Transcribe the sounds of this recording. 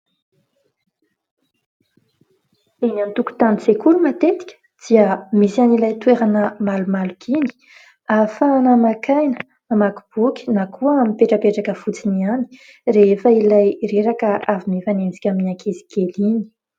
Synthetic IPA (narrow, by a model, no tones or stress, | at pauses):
enant̪uku̥t̪anit͡sekuɾumat̪et̪i̥kʲə̥ | d̪̥iəmisianilajt̪weɾanəmalumalukʰini̥ | afaːnamakajnə | amaku̥b̥ukʲi̥nakʰuəamipeʈ͡ʂapeʈ͡ʂakəfut͡siniani̥ | refəilajreɾakəavimevanemisi̥kʲaminakʰezi̥ɡ̥elini̥